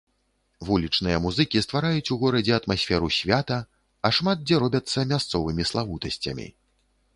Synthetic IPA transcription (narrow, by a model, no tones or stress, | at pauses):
vulʲit͡ʂnɨjɐmuzɨkʲist̪vaɾajut͡sʲuɣɔɾɐd͡zʲɛɐt̪masʲfʲɛɾusʲvʲat̪ɐ | ɐʂmad̪̚d͡zʲɛɾɔbʲɐt̪sːɐmʲast̪sɔvɨmʲislˠavut̪ɐsʲt͡sʲɐ̰mʲḭ